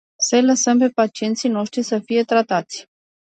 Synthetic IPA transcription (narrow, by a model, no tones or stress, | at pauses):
sələsəmpe̞pat͡ʃie̞nt̪sijno̞ʃt̪ɾisəfije̞t̪ɾat̪at̪sʲ